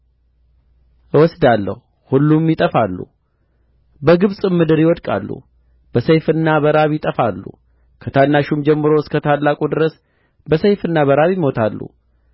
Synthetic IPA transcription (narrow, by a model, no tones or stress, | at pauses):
ʔɨwɔsd̪alːə̰hu | hulːumjɪt̪ʼəfalːṵ | bəɡɨβsʼɨmːɨd̪ɨɾjɪwɔd̪kʼa̰lːṵ | b̥əsejfɨnːaβəɾaβjɪt̪ʼəfalːṵ | kʰət̪ʰanːaʃumd͡ʒɛmːɨɾoɨskʰət̪ʰalːakʼud̪ɨɾəs | bəsejfɨnːaβəɾaβimo̞t̪ʰalːṵ